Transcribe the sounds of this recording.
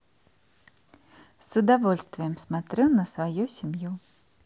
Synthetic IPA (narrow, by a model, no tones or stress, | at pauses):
sud̪avɔlʲst̪vʲijɛmsmat̪ɾɛwnɐsvajusʲimju